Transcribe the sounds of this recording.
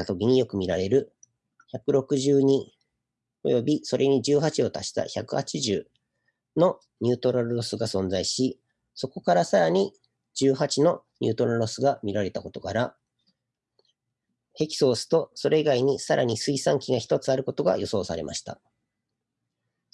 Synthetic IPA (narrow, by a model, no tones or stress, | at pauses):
at̪o̞k̬ʲiɲ̟ijo̞kɯ̟mʲiɾaɾe̞ɾɯ̟ | çakɯ̟ɾo̞kɯ̟ʑɨːɲ̟i | o̞̰jo̞bʲiso̞ɾʔe̞ɲ̟id͡ʑɨːɦat͡ɕio̞t̪aɕi̥t̪a̰çakɯ̟hat͡ɕiʑɨː | no̞ | ɲ̟ʲɨːt̪o̞ɾaɾɯosɨɡasõ̞nd͡zaiɕi | so̞ko̞kaɾasaɾaɲ̟i | d͡ʑɨːɦat͡ɕino̞ɲ̟ʲɨ̰ːt̪o̞ɾaɾosɨɡamʲiɾaɾe̞t̪ako̞t̪o̞kaɾa | he̞kʲi̥so̞ːsɨ̥t̪o̞so̞ɾe̞iɡaiɲ̟isaɾʔa̰ɲ̟isɨisãŋkʲiɡaçi̥t̪o̞t͡sɨaɾɯ̟ko̞t̪o̞ɡa̰jʔo̞so̞ːsa̰ɾe̞̰mʔa̰ɕi̥t̪a̰